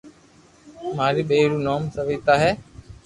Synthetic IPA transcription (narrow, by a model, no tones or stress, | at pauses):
maːɾiːɓeːɾuːnoːmsəʋiːt̪aːɦɛː